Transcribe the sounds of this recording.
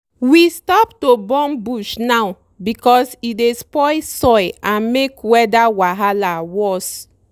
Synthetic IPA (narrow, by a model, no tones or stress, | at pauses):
wistɔp̚tobɔ̃mbuʃnaw | bikɔsidespɔjsɔjãnmekwɛdawaɦalawɔs